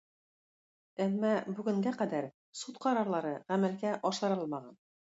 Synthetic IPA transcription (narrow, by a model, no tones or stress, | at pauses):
æmːɑbʉɡɘ̆ŋɡæqæd̪æɾ | sut̪qɑɾɑɾlˠɑɾɤʁæmælɡæʔɒʃˠɑ̆ɾɤlˠmɑʁɑ̰n